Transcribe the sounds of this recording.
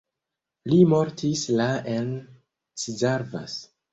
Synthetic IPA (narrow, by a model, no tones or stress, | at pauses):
limo̞ɾtislaen | t͡sizaɾva̰s